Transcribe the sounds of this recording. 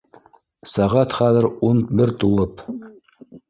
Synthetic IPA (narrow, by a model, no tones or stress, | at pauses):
sɑʁɑt̪χæðɘ̆ɾunbɘɾt̪ulˠɤp